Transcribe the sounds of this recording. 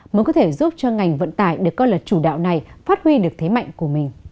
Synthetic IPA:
məː˨˦kɔ˨˦t̪ʰe˧˩zu˦˥p̚t͡ɕɔ˧ŋa˨˩jŋ̟və̰˧˨nt̪aː˧˩˨jɗɨ˨˩əkːɔ˨˧˦lə˨˩t̚t͡ɕu˧˩ɗa̰ː˧˨wna˨˩jfaː˦˥t̚hwi˧ɗɨ˨˩ək̚t̪ʰe˨˦ma̰˧˨jŋ̟ku˧˩əmï˨˩ŋ̟

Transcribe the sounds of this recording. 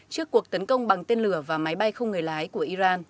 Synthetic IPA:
t͡ɕɨ˦˥əkːu˨˩ək̚t̪ə˨˦nkə˧wŋ͡mɓa˨˩ŋt̪e˧nlɨ˧˩əvaː˨˩ma˨˦jɓa˧jxə˧wŋ͡mŋɨ˨˩əjlaː˨˦jku˧˩əʔi˧zaː˧n

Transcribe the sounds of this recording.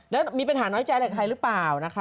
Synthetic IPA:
lɛː˦˥wmiː˧p̬a˧nɦaː˩˦nɔː˦˥jt͡ɕa˧jlaː˨˩k̪ʰa˧jɾɯ˦˥plaː˨˩wna˦˥kʰa˦˥

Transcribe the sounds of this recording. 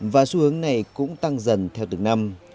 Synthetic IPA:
vaː˨˩su˨˧˦hɨ˨˦əŋna˨˩jkʊ̰˧˥ŋ͡mt̪a˧ŋzə˨˩nt̪ʰɛ˧wt̪ɨ˨˧˩ŋna˧m

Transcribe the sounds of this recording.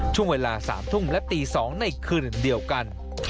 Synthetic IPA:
t͡ɕʊ˧ŋ͡mə˨˩laː˨˩saː˨˦mt̪ʰʊ˧ŋ͡mlɛ˦˥p̚t̪i˧˩sɔː˨˦ŋna˧˩jkʰɨ˨˩ɗi˨˩əwka˨˧˩n

